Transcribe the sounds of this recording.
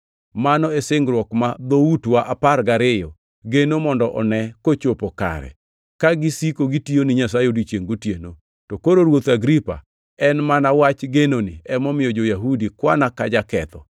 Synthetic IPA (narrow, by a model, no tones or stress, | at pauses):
manɔɛsɪŋɡɾwɔkmad̪outwaʔaparɡaɾɪjɔ | ɡenomɔndɔʔɔnɛkot͡ʃopoka̰ɾɛ̰ | kaɡisikoɡitionɪɲas̬ajeodit͡ʃeŋɡotjeno | tokoɾoɾwot̪aɡɾipa̰ | ɛnmanawat͡ʃɡenonɪ̰ɛmɔmɪjɔd͡ʒojaɦudikwanakad͡ʒakɛt̪ɔ